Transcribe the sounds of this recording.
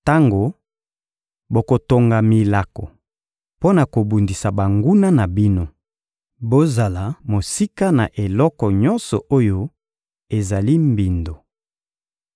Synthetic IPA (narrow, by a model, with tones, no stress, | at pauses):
ta˦ŋɡo˨ | bo˨ko˨to˨ŋɡa˨mi˨la˨kɔ˨ | po˦na˨ko˨bu˨ndi˨sa˨ba˨ŋɡu˦na˦na˨bi˦no˦ | bo˦za˨la˨mo˨si˦ka˦na˨ʔe˨lɔ˦kɔ˨ɲɔ˦nsɔ˨ʔo˦jo˦ | e˨za˨li˦mbi˨ndo˨